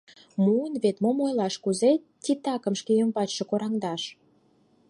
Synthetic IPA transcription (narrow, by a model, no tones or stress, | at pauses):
muənβet̪momojlɑʃkuze | t̪ʲit̪ɑkə̆mʃkejəmpɑt͡ɕʃĕkoɾɑŋd̪ɑʃ